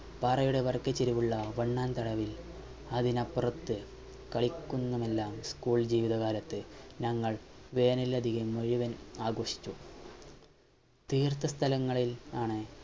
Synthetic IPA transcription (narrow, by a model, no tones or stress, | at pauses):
pɐrɐjuɽe̞ʋɐrkɐt͡ɕːeɾiʋuɭːɐʋɐɳːaːnt̪ɐɽɐʋil | ɐðinɐpːrɐt̪ːɨ | kɐɭikʲːunːɐme̞lːaːmskuːɭd͡ʑiːʋiðɐɣaːlɐt̪ːɨnɐŋːɐɭʋe̞ːnilɐd̪ʱiɣɐmːoɻiʋɐnaːɡoːʂi̥t͡ɕːu | t̪iːrt̪ʰːɐst̪ʰɐlɐŋːɐɭilaːɳɨ